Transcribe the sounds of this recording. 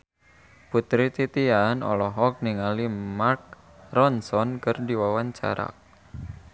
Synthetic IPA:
put̪ɾit̪it̪ianɔ̰lɔɦɔk̚niŋalimark̚ | rɔnsɔnkərdiwawaɲt͡ʃa̰ɾa̰

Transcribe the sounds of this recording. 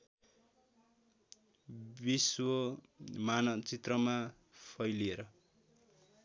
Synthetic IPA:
biswʌ | manʌt͡sit̪rʌma | pʰʌjlieɾʌ

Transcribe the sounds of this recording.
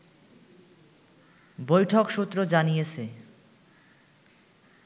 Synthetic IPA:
bojʈʰokʃut̪ːɾod͡ʑanijet͡ɕʰe

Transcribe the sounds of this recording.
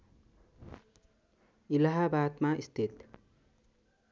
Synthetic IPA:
ilaɦabat̪maʔist̪ʰit̪

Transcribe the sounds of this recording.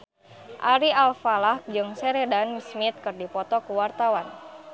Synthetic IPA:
ʔaɾialfalahd͡ʒɨŋsɛɾedansmit̪̚kɨrdipɔt̪ɔkuwart̪awan

